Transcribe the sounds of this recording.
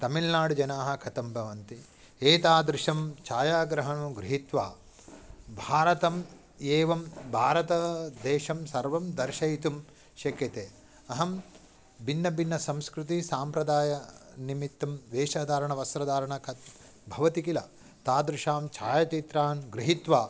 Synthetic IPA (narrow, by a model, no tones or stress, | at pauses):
t̪ɐmilnaːɽud͡ʒɐnaːɦɐ̆kʰɐt̪ɐmbʱɐʋɐnt̪i | eːt̪aːd̪ɾɪʃɐmt͡ʃʰaːjaːɡɾɐɦɐɳɡɾiɦit̪ʋaː | bʱaːɾɐt̪ɐm | eːʋɐmbʱaːɾɐt̪ɐd̪eːʃɐmsɐɾʋɐmd̪ɐɾʃɐjt̪um | ʃɐkjɐt̪eː | ɐɦɐm | bʱinːɐbʱinːɐsɐmskɾut̪isaːmpɾɐd̪aːjɐnimit̪ːɐmʋeːʃaːd̪ʱaːɾɐɳɐʋɐsɾɐd̪aːɾɐɳɐkʰɐt̪ | bʱɐʋɐt̪ikilɐ | t̪aːd̪ɾɪʃaːmt͡ʃʰaːjɐt͡ʃit̪ɾaːnɡɾiɦit̪ʋaː